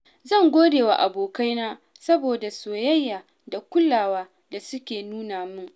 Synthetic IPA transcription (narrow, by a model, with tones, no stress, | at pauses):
zɐ˦˨ŋɡʷoː˦deː˨wa̰˨ʔa˨boː˨ka˦jnaː˦ | sɐ˦boː˨da˨soː˨jɐ˦jːaː˨ | da˨kʷʊ˦lːaː˨waː˦ | da˨sʊ˦kʲeː˨nuː˦naː˨mʊ˦ŋ